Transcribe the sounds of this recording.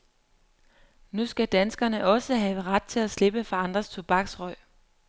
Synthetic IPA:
nusɡ̥æd̥ænsɡ̥ɐnəʔɒ̽səɦɛːʊəʁɑd̥̚t͡sʰe̝læsle̝b̥əfɑ̈ɑ̈nd̥ʁɐst͡sʰo̝b̥ɑ̈ɡ̥sʁɒɪ̰

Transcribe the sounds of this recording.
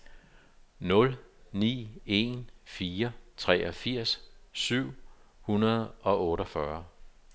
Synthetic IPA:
nɔ̽lnḭːe̝nfiːɐt͡sʰʁɛ̰ɒfiɐ̰ssyʊ̰hunɐð̞̩ˠɒ̽ʔɔ̽ːɾɒfɶɐ

